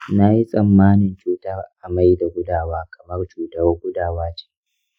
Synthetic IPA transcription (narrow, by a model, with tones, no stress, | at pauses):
na˦ji˦sʼɐ˨mːaː˦nɪ˨nt͡ʃuː˦tɐ˦rʔa˨ma˦jda˨ɡʷʊ˦daː˨waː˦kʰɐ˨mɐ˦rt͡ʃuː˨tɐ˦wɡʷʊ˦daː˨waː˦t͡ʃi̥ː˦